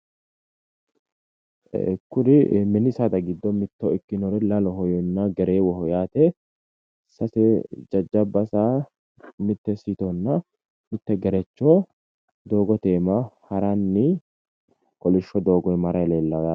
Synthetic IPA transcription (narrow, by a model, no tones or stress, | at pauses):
kːʊɾɪmɛnɪsɐd̪ɐɡɪd̪ːɔmɪt̪ːɔɪkːɪnɔɾɛlɐlɔɦɔjɔnːɐɡɛɾe̞ːwɔhɔjaːt̪ɛ | sɐsɛd͡ʒɐd͡ʒːɐbːɐsaː | mɪt̪ːɛsit̪ɔnːɐ | mɪt̪ːɛɡɛɾɛt͡ʃːɔ | d̪oːɡɔt̪eːmahɐɾɐnːɪ | kɔlɪʃːɔd̪o̞ːɡɔjmɐɾɐjleːlːɐd̪ɐ